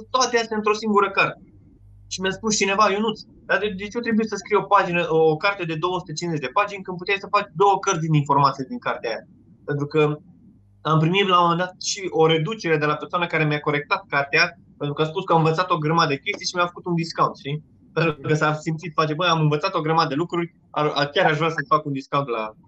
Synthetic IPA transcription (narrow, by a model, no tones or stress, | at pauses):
t̪oat̪east̪ʲaɨnt̪ɾo̞siŋɡuɾəkart̪ | ʃimiaspust͡ʃine̞vajunut̪s | d̪ad̪ed̪e̞t͡ʃot̪ɾe̞buit̪səskɾijo̞pad͡ʒinəʔokart̪ed̪e̞d̪o̞wəsu̥t̪e̞t͡ʃinze̞t͡ʃd̪e̞pad͡ʒinʲkɨnd̪put̪ʲeajsəfat͡ʃd̪o̞wəkərt̪zd̪ininfo̞rmat̪sied̪iŋkart̪eaja̰ | pe̞nt̪ɾukə | ampɾimit̪lamo̞me̞nd̪at̪̚ʃio̞ɾe̞d̪ut͡ʃe̞ɾe̞d̪e̞lapersoanəkaɾe̞mjako̞ɾe̞k̚t̪at̪̚kart̪ea | pe̞nt̪ɾukəaspuskəamɨnvət̪sat̪o̞ɡɾəmad̪əd̪ekʲe̞st̪ijʃimʲjafə̥kut̪und̪iskaunt̪ʃt̪i | pent̪kəsasimt̪sit̪fat͡ʃebəjamɨnvət̪sat̪o̞ɡɾəmad̪əd̪elukɾurʲ | a̰akʲaɾaʒvɾasəfakund̪iskawunt̪la